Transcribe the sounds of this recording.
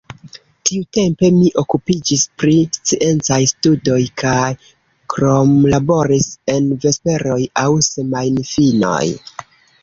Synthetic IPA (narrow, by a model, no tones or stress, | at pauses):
tiute̞mpe̞miʔo̞kupid͡ʒispɾist͡siʔe̞nt͡sajstudo̞jkʰaj | kɾo̞mlabo̞ɾise̞nve̞spe̞ɾo̞jawsemajnifino̞̰j